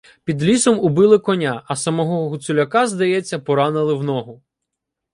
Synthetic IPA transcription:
pʲid̪lʲisɔmʊbɪlˠɪkɔnʲaʔɐsɐmɔɦɔɦʊsʊlʲɐkɑzd̪ɐjɛt͡sʲːɐpɔɾɑnɪlˠɪwnɔɦʊ

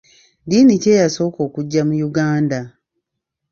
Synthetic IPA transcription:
dinice̞ːjaso̞ːko̞ːkuɟːamujuɡaːnda

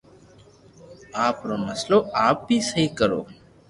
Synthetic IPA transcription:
aːpɾomɐsloaːpːiːsəɦikəɾo̰ː

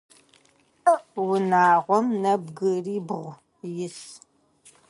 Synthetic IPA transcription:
wʊnaːʁʷɔmnɐbɡɨriːbʁʷ | jɪs

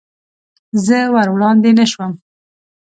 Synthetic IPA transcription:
zəwaɾwɽɑnd̪enaʃwəm

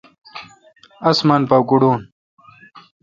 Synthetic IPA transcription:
ɐsmɐnpawkuɽuːn

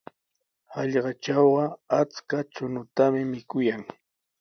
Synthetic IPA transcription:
ɑʎɢɑt͡ʃɑwɢɑat͡skat͡ʃʊnʊt̪amɪmɪkʊjaŋ

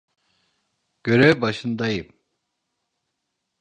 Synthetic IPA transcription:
ɡ̥ʲøɾɛbɑʃɯnd̪ɑjim

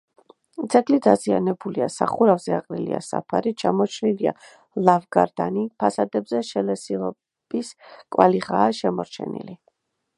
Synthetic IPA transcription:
t̪sʰɛɡlid̪azianɛbuliasaχuɾavzɛaqʼɾilḭa̰sa̰pʰaɾit͡ʃʰamɔt͡ʃʰnilia̰ | lˠavɡaɾd̪̥anipʰasad̪ɛbzɛʃɛlɛsiɔ | b̥iskʼwaliʁaːʃɛmɔɾt͡ʃʰɛ̰nḭli

